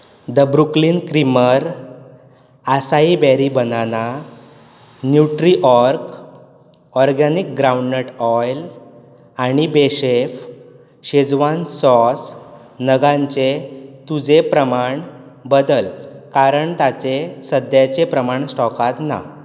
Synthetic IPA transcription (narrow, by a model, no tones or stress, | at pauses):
d̪əbɾuklinkɾiməɾ | asaibɛɾibənana | njuʈɾiʔɔɾk | ɔɾɡanik̚ɡɾawũɳɖnəʈɔjl | aɽ̃ibeɕef | ɕed͡zʋansɔs | nəɡãɲt͡ɕet̪ud͡zepɾəmaɳ | bəd̪əlkaɾəɳt̪at͡sesəd̪jat͡ɕepɾəmaɳsʈɔkat̪na̰